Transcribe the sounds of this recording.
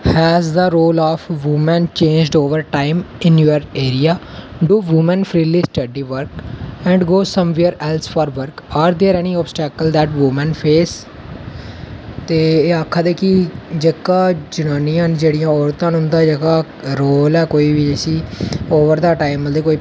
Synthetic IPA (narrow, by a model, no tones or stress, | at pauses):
hɛːzd̪əɾoːlɔːpʋumɛ̃nt͡ʃẽːnd͡ʒɖoːʋəɾʈaːɪmɪnjoəɾeːɾijaː | ɖuːʋumə̃npʰɾiːliːsʈəɖiːʋəɾkɛ̃ːɳɖɡoːsə̃mʋeːɾɛːlsfʰɔːɾʋəɾkaːɾd̪eːɾɛniːɔːbsʈɛːkəld̪ɛːʈʋumə̃npʰeːs | t̪eːaːkʰːãːd̪eːkɪd͡ʒəkãːd͡ʒʊñaːnijãːnd͡ʒeːɽijãːɔːɾt̪ãːnɦʊ̃nd̪ãːd͡ʒəkaː | ɾoːlɛːkoːiːbid͡ʒesiːoːʋəɾd̪aːʈaːɪməd̪eːkoːi